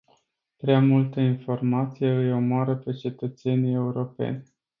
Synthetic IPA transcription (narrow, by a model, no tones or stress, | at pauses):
pɾeamult̪əinfo̞rmat̪sijeɨjo̞moaɾəpe̞t͡ʃe̞t̪ət̪se̞nie̞uɾo̞pḛnʲ